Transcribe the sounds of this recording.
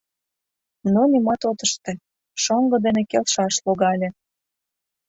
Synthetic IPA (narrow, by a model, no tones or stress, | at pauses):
nonimɑt̪ot̪əʃt̪ĕ | ʃoŋɡɤ̆d̪enekelʃɑʃloɣɑlʲe